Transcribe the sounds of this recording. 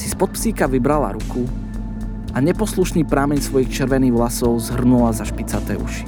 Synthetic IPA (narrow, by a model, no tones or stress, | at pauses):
si̥spɔt̪̚psiːkaʋibɾala̰ɾuku | ʔaɲɛpɔsluʃniːpɾamɛɲsʋɔjixt͡ʃɛɾʋɛniːɣɦlasɔʊzɦr̩nulazaʃpit͡sat̪ɛ̰ːṵʃi̥